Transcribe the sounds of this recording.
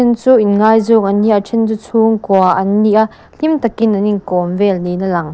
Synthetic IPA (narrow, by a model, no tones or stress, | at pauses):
ɛnt͡suːinŋaːjzukʔɐnːiʔat͡ʃʰɛnt͡sut͡sʰuːŋkuaʔɐnːiʔaʔ | ɬimt̪ɐkinːɐniŋkɔːmvɛlninɐlɐŋ